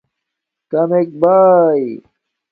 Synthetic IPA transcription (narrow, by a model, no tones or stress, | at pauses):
kɐmek̚baːj